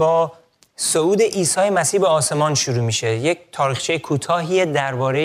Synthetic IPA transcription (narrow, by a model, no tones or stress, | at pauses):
bɒː | souːd̪e̞ʔiːsɒːjemæsiːbeɒːse̞mɒːnʃuɾuːmiːʃe̞jec̚t̪ʰɒːɾiːxt͡ʃʰejekʰuːt̪ʰɒːɦiːed̪æɾbɒːɾe